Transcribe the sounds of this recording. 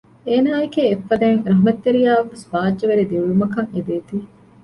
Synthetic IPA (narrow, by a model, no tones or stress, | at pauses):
eːnaːekeːfːɐd̪eːŋɾɐɦumɐt̪ːeɾijaːʋeʋesbaːd͡ʒːɐʋeɾid̪iʋuɭumɐkɐŋed̪eːt̪iː